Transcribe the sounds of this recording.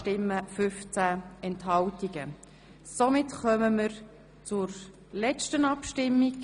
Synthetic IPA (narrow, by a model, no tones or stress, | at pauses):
tɪmːəfʏft͡sæɛnthɑltiɡ̥ə | somɪtχœməməɾ | t͡sʊɾ | lɛt͡ʃtənɑpʃtɪmːiɡ